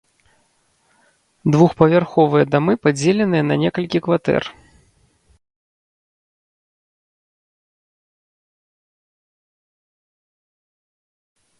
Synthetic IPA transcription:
d̪vuxpɐvʲarxɔvɨjɐd̪amɨpad͡zʲelʲɛnɨjɐnɐnʲɛkɐlʲkʲikvat̪ɛ̰r

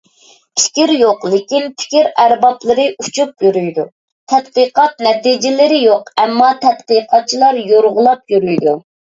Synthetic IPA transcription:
i̥ʃkʲiɾjoqlˠɪkʲinpʰɪ̥kʲiɾæɾbɑplˠɨɾɨʔut͡ʃʰup̚jyɾyjd̪u | t̪ʰɛt̪̚qəqɑt̪̚nɛt̪id͡ʒɪlɪɾɪjoqɛmːɑt̪ʰɛt̪̚qɨqʰɑt̪̚t͡ʃʰilˠɑɾjoɾʁʊlˠɑp̚jyɾyjd̪u

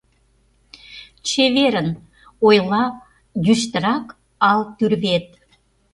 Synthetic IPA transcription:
t͡ɕeβeɾən | ojlˠɑ | d̪yʃt̪ə̆ɾɑk | ɑlˠt̪yrβet̪̚

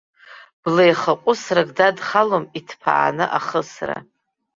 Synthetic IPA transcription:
b̥lejχaqʷʼʊsraɡdadχalomitʰpʰa̰ʔa̰nɨʔaχəsra̰

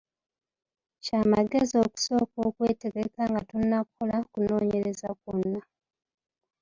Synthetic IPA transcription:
caːmaɡe̞zio̞ku̥so̞ːko̞ːkwe̞ːte̞ɡekaŋɡatunːakukolakuno̞ːɲe̞ɾezakunːa

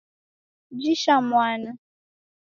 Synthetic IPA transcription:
d͡ʒiʃamwana

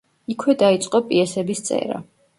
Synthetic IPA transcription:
ikʰwɛd̪ait̪sʼqʼɔpʼiɛsɛbist̪sʼɛ̰ɾa̰

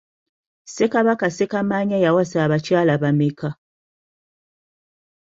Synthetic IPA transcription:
sekaβakasekamaɲajawasaːβat͡ʃalaβameka

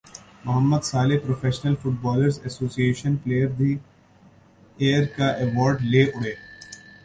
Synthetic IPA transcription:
mʊɦəmːəd̪saːlepɾoːfʰeːʃnəlfʊʈ̚bɔːləɾzɛsoːsieːʃənpleːjəɾd̪ʱi | eːəɾkaʔɛʋɔːɾɖleːʔʊɽeː

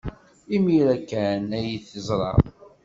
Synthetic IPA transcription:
imiɾækːænæjiθəzɾˤɑ̰

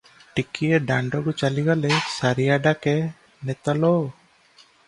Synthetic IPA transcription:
ʈikieɖaɳɖɔɡɔt͡ʃaliɡalɛsaɾijaɖakɛ | nɛt̪alɔ

